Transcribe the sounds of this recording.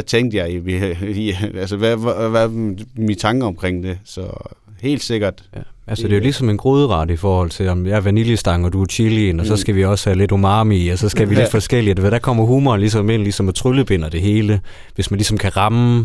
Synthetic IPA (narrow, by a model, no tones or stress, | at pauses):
t͡sʰeŋ̰d̥əjɑ̈ɪ | ælsəʋæʋæmit͡sʰɑ̈ŋɡ̥əɒ̽mkʰʁeŋ̰d̥e̝sɒ | he̝̰ːld̥se̝ɡ̥ɐd̥ælsəd̥e̝jo̝lisɒ̽me̝nɡ̥ʁoːð̞ˠʁɑ̈ːd̥əifɒːhɒ̽l̰t͡sʰe̝lɒmjɑæɐʋæniljəsd̥ɑ̈ŋɒ̽d̥uæt͡ɕʰilienɒ̽sɒ̽sɡ̥æʋiɒ̽shæle̝domɑ̈ːmiæsɒ̽sɡ̥æʋile̝d̥fɒ̽sɡ̥el̰iædʋæd̥ækʰɒ̽m̰ɐɦuːmɐnlisɒ̽me̝n̰lisɒ̽mɒ̽t͡sʰʁyləb̥e̝n̰ɐd̥e̝ɦe̝ːlə | ʋe̝smænlisɒ̽mkʰæʁɑ̈m